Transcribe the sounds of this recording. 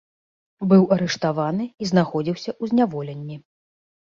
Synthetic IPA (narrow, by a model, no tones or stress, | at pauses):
bɨwɐɾɛʂt̪avanɨiznaxɔd͡zʲiwsʲɐʔuzʲnʲavɔlʲɛnʲːi